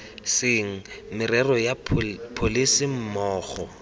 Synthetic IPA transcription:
sɪŋ̩mɪrɛrɔjapʰolisɪm̩mɔːχɔ

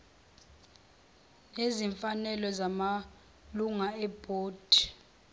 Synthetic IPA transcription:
neziɱfanɛlɔzama | luŋaɛb̥ʱoːd̥ʱi̥

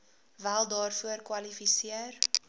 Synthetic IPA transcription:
vælˠdɑːrfuərkwɐlifisiər

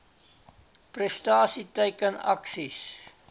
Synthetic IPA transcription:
prɛstɑːsitəjkənɐ̰ksis

